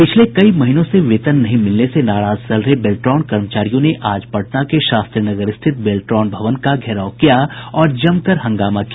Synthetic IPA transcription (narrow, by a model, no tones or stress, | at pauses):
pɪt͡ʃʰlekɐimɐɦinõseʋeːt̪ənːɐɦĩmɪlnesenaːɾaːz̥t͡ʃɐlɾəɦebeːlʈɾɔːnkɐɾmət͡ʃaːɾijõneʔaːd͡ʒpɐʈnakeʃaːst̪ɾiənɐɡəɾɪst̪ʰɪt̪̚beːlʈɾɔːnbʱɐʋənkaɡʱɛːɾaːokijaɔːɾd͡ʒɐmkəɾɦɐ̃ŋɡaːmakia